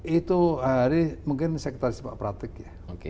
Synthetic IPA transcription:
it̪uɦaɾɪmuŋkɪnsɛkət̪aɾɪspa̰ʔpɾat̪ɪkja | ok

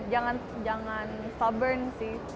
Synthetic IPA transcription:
d͡ʒaŋan | d͡ʒaŋanst̪abərnsɪh

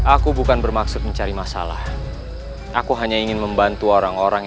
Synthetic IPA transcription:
ʔakubukanbərmaksʊt̪̚məɲt͡ʃaɾimasa̰la̰h | ʔakuɦaɲaiŋɪnməmbant̪uoɾaŋoɾaŋ

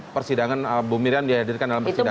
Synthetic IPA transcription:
pərsidaŋanabumiɾiandihadirkandalampəsida

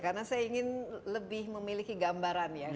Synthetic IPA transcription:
karnasajaiŋɪnləbɪhməmilikiɡambaɾanja

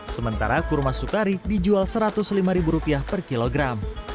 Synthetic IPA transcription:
səmənt̪a̰ɾakurmasukaɾidid͡ʒualsəɾat̪ʊslimaɾibuɾupiahpərkiloɡɾam

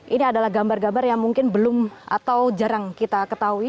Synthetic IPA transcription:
ʔiniadalahɡambarɡambarjaŋmuŋkɪnbəlʊma̰t̪awd͡ʒaɾaŋkit̪akət̪aui

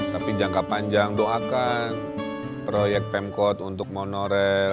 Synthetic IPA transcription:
t̪apid͡ʒaŋkapaɲd͡ʒaŋdɔŋakan | pɾojɛk̚t̪̚pɛmkɔt̪unt̪ʊk̚monoɾɛ

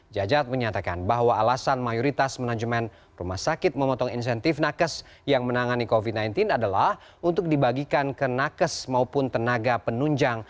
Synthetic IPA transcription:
d͡ʒad͡ʒat̪̚məɲat̪aka̰nbaɦwaːlasanmajoɾit̪asmənad͡ʒuman | rumahsakɪt̪̚məmɔt̪ɔŋins̬ɛnt̪ɪfnakəs | jaŋmənaŋanikovit̪̚najnt̪ɪnadalah | unt̪ʊk̚dibaɡikankənakəsmaupʊnt̪ənaɡapənuɲd͡ʒaŋ

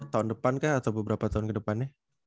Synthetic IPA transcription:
t̪aʊndəpankahat̪awbəbəɾapat̪aʊnkədəpanːɪh

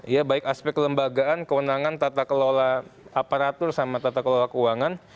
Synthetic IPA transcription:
ijabaɪkaspɛkːələmbaɡaankəwənaŋant̪at̪akəlolaapaɾat̪ʊrsamat̪at̪akəlolakuwaŋan

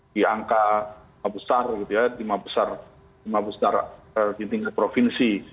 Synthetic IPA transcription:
dia̰ŋka | mabəsarɡit̪ujadimabəsar | dimabəsarəd͡ʒint̪iŋɡapɾofinsi

